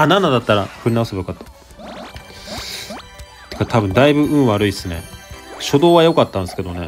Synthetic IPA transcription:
ananːad̪at̪ːaɾaɸɯ̟ɾʲinaasɨbjokat̪ːḁ | t̪e̥kat̪ʰabɯ̟̃nd̪aibɯ̟ɯ̟̃ɰ̃βaɾɯ̟isɨne̞̰ɕo̞d̪o̞ːβajo̞kat̪ːãnsɨ̥ke̞d̪o̞ne̞

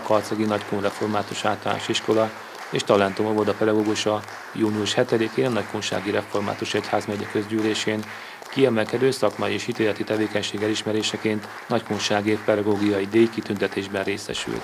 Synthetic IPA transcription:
kɒrt̪sɒɡinɒckonrɛfo̞rmaːt̪uʃaːt̪ɒla̰ːʃiʃko̞lɒ | eːʃt̪ɒlɛnt̪omovod̪ɒpɛd̪ɒɡoːɡuʃɒ | juːniuʃhɛt̪ɛd̪ikeːnɒnɒckonʃa̰ːɡiɾɛfo̞rma̰ːt̪uʃɛchaːzmɛɟɛkø̞zɟyːleːʃeːn | kiɛmɛlkɛd̪øːsɒkmɒjieːʃit̪eːlɛt̪it̪ɛveːkɛɲʃeːɡɛliʃmɛɾeːʃɛkeːnt̪ | nɒckunʃaːɡeːfpɛd̪ɒɡoːɡijɒid̪eːjkit̪ynt̪ɛt̪eːʒbɛnreːsɛ̰ʃy̰lt̪

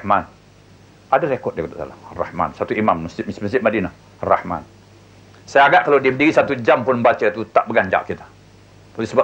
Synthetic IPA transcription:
man | adaɾekɔt̪̚dekɔt̪aʔsa̰larɑhma̰nsat̪uimamːəsɪmsməsɪʔ̚madina | ra̰hma̰n | sajaɡaʔkalawdiəpndiɣisat̪ud͡ʒampʊnbat͡ʃət̪ut̪aʔbəɡaɲd͡ʒa̰ʔkit̪ḁ | t̪alisəba

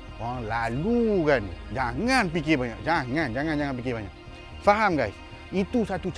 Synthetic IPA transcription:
aaŋlalukand͡ʒaŋanp̬ik̬ebaɲa̰ʔd͡ʒaŋand͡ʒaŋand͡ʒaŋanp̬ikɪbaɲak̚ | faɦamɡajs | it̪usat̪ut͡ʃ

